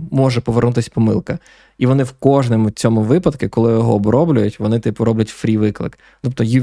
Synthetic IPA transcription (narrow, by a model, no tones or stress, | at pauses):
mɔʒɛpɔʋernut̪ɪsʲpɔmɪ̰lˠkɐ | iʋɔnɪwkɔʒnɔmʊt͡sʲɔmʊʋɪpɐd̪kɪkɔlˠɪjjɔɦɔbɾɔblʲʊjʊtʲʋɔnɪt̪ɪpɔɾɔblʲɐtʲfɾʲiʋɪklˠɪ̰k | t̪ɔpt̪ɔji